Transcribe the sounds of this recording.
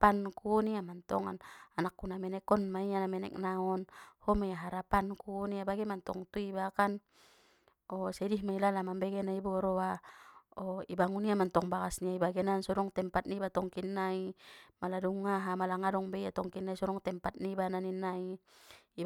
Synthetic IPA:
ankuniamant̪ɔ̰ŋa̰nanakːunamɛnɛkɔnmaianamɛnɛ̰k̚naɔnhɔmajaɦaɾapankuniabaɡɛmant̪ɔŋt̪uibakan | ɔsɛdihmailalamambɛɡɛnaibɔɾɔa | ɔibaŋuniamant̪ɔŋbakasniaibaɡɛnansɔɾɔŋt̪ɛmpat̪̚nibat̪ɔŋkinːaimaladuŋːaɦamalaŋadɔŋbɛiat̪ɔŋkinːaisɔɾɔŋt̪ɛmpat̪̚nibananinːaiː

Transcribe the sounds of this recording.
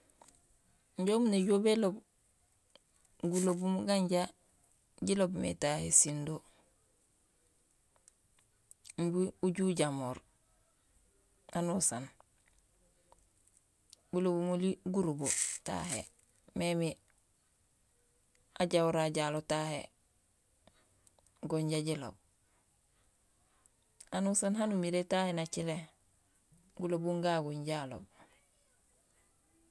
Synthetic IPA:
ɲɟomuneɟobelob | ɡulobumɡaɲɟa | ɟilobmḛtahesindo | mbiuɟuɟamoːɾ | anusan | bulobumoliɡuɾubota̰hḛ | memi | aɟauɾaɟaːlotahḛ | ɡoɲɟaɟilo̰b̚ | anusanɦanumiɾetahenat͡ʃile | ɡulobuŋɡaɡuɲɟalo̰b̚

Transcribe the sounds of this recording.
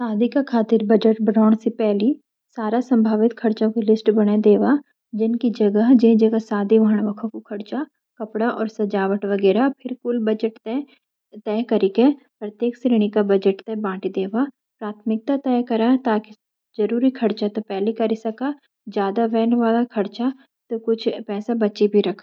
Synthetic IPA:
saːd̪ʱikakʰaːt̪ɪɾbɐd͡ʒəʈ̚bəɽɔːɽ̃sepɛːli | saːɾasɐ̃mbʱaːʋɪt̪kʰɐɾt͡ʃõkilɪsʈbɐɽ̃ad̪eːʋa | d͡ʒɪnkid͡ʒɐɡəɦd͡ʒẽd͡ʒɐɡəɦsaːd̪ʱiʋaːəɽ̃ʋɐkʰõkokʰɐɽt͡ʃa | kɐpɽaʔɔ̰ːɾsɐd͡ʒaːʋəʈʋɐɡɛːɾapʰɪɾkʊlbɐd͡ʒəʈt̪ɛ | t̪ɛːkɐɾikepɾɐt̪jeːksɾiːɽ̃ikabɐd͡ʒəʈt̪ɛbãːʈid̪eːʋa | pɾaːt̪ʰmɪk̚t̪at̪ɛːkɐɾat̪aːki | d͡ʒɐɾuːɾikʰɐɽt͡ʃat̪opɛːlikɐɾɪsɐka | d͡ʒjaːd̪aʋɛːnʋaːlakʰɐɾt͡ʃa | t̪okʊt͡ʃʰpɛːsabɐt͡ʃibʱiɾɐkʰː

